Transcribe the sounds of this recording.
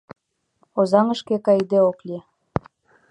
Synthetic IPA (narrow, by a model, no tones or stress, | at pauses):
ozɑŋəʃkekɑjd̪eoklʲi